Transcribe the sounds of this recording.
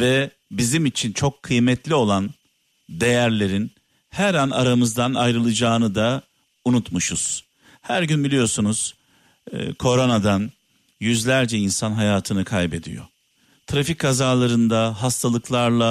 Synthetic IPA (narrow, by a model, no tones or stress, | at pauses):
vɛ | bizimit͡ʃʰint͡ʃʰo̞kʰːɯjmɛt̪lʲio̞lˠan | d̪e̞jæɾlʲe̞ɾin | hæɾana̰ɾamɯzd̪ana̰jɾɯlˠɯd͡ʒaːnɯd̪a | unut̪muʃuz̥ | hæɾɟynbilʲijo̞sunuz̥ | kʰo̞ɾo̞nad̪an | jyzlʲæɾd͡ʒɛinsanɦajaːt̪ʰɯnɯkʰajbe̞d̪ḭjo̞̰ | t̪ʰɾafickʰːazaːlˠaɾɯnd̪aɦast̪ʰalˠɯklˠaɾlˠa